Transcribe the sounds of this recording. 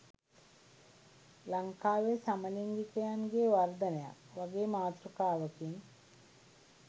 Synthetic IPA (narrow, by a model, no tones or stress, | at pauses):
laŋkaːʋesaməliŋɡikəjaŋɡeːʋard̪ənəja̰kʋaɡeːmaːt̪ɾukaːʋəkiŋ